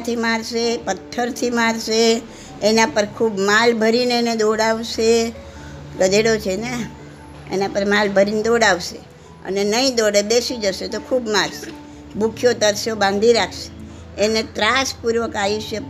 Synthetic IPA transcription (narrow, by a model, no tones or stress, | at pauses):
t̪ʰimaɾsepət̪ʰːəɾt̪ʰimaɾʃeː | napəɾkʰubmalbʱəɾineened̪oɽaʋʃe | ɡəd̪eɽot͡ʃʰene | ḛnapəɾmalbʱəɾined̪oɽaʋʃe | ə̰nenəĩd̪oɽeb̪esid͡ʒəʃet̪okʰubmaɾʃe̥ | bʱukʰjot̪əɾsjobãnd̪ʱiɾakʰʃe̥ː | net̪ɾaspuɾʋəkaiʃjə